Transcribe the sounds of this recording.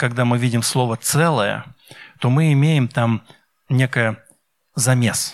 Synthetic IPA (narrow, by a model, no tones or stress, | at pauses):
kɐɡd̪amɨvʲidʲɪmslˠo̞vət̪sɛlˠəjə̰t̪o̞mɨɪmʲejɪmt̪am | nʲekəjə | zɐmʲe̞s